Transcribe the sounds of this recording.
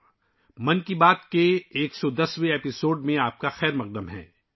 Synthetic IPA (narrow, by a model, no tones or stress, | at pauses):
mɐnkibaːt̪keeːksɔd̪ɐsweeːpɪsoːɖmẽaːp̚kaxɛːɾmɐq̚d̪əmɦɛ̰̃ː